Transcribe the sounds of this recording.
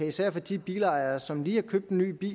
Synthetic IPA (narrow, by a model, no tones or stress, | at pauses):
æisæɐ̰fɒd̥ib̥iːlɑ̈ɪɐsɒ̽mliːhækʰøb̥̚d̥enːy̰ːb̥ḭː